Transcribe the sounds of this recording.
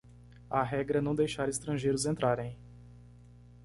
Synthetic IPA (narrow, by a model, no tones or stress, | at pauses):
ɐɦɛɡɾɐnɐ̃w̃d̪ejʃaɾɪst̪ɾɐ̃ʒejɾʊzẽnt̪ɾaɾẽj̃